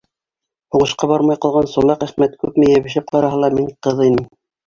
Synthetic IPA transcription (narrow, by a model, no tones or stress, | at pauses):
huɴɤ̆ʃqɑbɑɾmɑjqɑlˠʁɑnsulˠɑqæχmæt̪kʉpmɘ̆jæβɘ̆ʃæp̚qɑɾɑɦɤlˠɑmiɴqɤðinɘm